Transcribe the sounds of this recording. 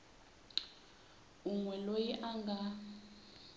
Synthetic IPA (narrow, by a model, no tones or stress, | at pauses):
uŋwɛlojiʔaŋɡʱa